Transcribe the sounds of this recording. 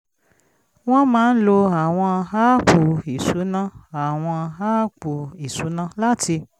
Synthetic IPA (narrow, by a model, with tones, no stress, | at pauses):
w̃ɔ̃˦mãː˨˦n̩˦lo˧a˨w̃ɔ̃˧ɦa˦k͡pu˨i˨su˨˦nã˦a˨w̃ɔ̃˧ɦa˦k͡pu˨i˨su˨˦nã˦la˦ti˧